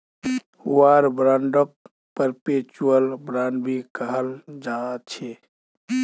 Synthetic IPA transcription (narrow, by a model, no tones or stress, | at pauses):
uaɾbɾãɳɖək̚ | pəɾpet͡ʃuəlbɾaɳɖbʱikəɦəld͡ʒat͡ʃʰe